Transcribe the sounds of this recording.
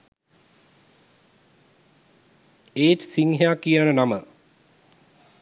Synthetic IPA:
eːt̪siŋɦeakiənənamə

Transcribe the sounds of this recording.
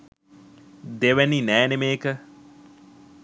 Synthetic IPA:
d̪eʋæninɛːnemeːkə

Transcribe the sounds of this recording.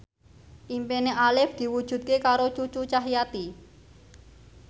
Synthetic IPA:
ʔimpeneʔalɪfd̪̥i̤wud̥ʒ̥ṳt̪̚kekaɾot͡ʃut͡ʃut͡ʃaɦijat̪i

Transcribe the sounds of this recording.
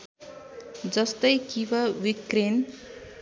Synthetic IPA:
d͡zʌst̪ʌjkibʌwikɾen

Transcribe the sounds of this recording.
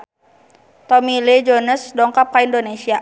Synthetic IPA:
t̪ɔmiled͡ʒonəsdɔŋkap̚kaindonesia

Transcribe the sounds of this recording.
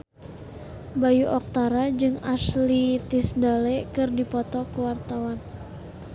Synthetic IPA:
bajuʔɔk̚t̪aɾad͡ʒɨŋaslit̪isdalekɨrdipɔt̪ɔkuwart̪awan

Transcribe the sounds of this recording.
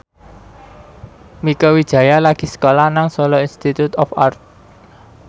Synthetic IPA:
mikəwid̥ʒ̥ä̤jalaɡ̥i̤sə̥kolahnaŋsɔlɔinst̪it̪ut̪ɔfart̪̚

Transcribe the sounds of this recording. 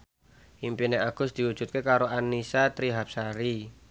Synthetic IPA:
ʔimpineʔaɡ̥ʊsd̪̥i̤wu̥ʒ̥ṳt̪̚kekaɾoanːisat̪ɾiɦap̚saɾi

